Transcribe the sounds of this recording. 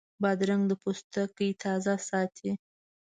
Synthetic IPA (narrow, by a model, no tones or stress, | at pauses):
bɑd̪ɾaŋd̪əpost̪əkəjt̪ʰɑzasɑt̪ʰi